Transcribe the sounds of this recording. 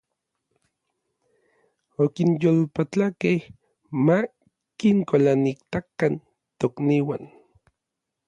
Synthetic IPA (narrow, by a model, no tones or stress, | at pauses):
okinjolpat͡ɬakeh | ma | kiŋkolanikt̪akan | t̪okniwan